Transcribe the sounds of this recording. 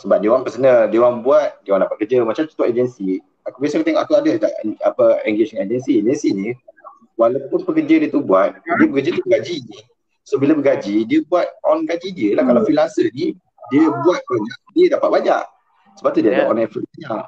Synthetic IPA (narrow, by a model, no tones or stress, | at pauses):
səbap̚dewanpəsənəhdewanbuat̪̚dewandaʔpat̪̚kəd͡ʒəmat͡ʃamt̪u̥t̪uʔed͡ʒənsi | akubijas̬akət̪eŋɔʔakuadəda̰ʔapəɛŋɡed͡ʒŋed͡ʒənsied͡ʒənsini | walawpʊnpəkərd͡ʒədiət̪ubuat̪̚diəpəkəd͡ʒət̪ubəɡad͡ʒini | sobilabəɡad͡ʒidiəbuat̪̚ɔnɡad͡ʒidiəlahkalawfilansəni | diəbuat̪̚baɲaʔdiədapat̪̚baɲa̰ʔ | səbat̪udiadaʔɔnafiaɲaʔ